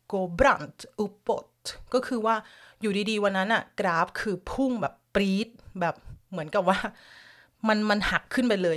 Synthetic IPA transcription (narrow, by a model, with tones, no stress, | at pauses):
koː˧bɾa˥˩nt̪ʔu˧˦˥pːo˨˩t̪̚kɔː˥˩kʰɯː˧waː˥˩juː˨˩diː˧diː˧wa˧nːa˦˥nʔa˨˩kɾaː˦˥p̚kʰɯː˧pʰu˥˩ŋbɛː˨˩pːɾiː˦˥t̪̚bɛː˨˩p̚mɯ˩˦ənka˨˩p̚waː˥˩ | ma˧nma˧nha˨˩kʰːɯ˥˩npa˧jlɤː˧j